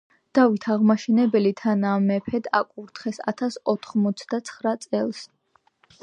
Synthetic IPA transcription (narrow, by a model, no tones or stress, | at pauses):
d̪̥avit̪ʰaʁmaʃɛnɛbɛlit̪ʰanamɛpʰɛd̪a̰kʼuɾt̪ʰχɛsa̰t̪ʰasɔt̪ʰχmɔt̪sʰd̪at̪sʰχɾat̪sʼɛlˠs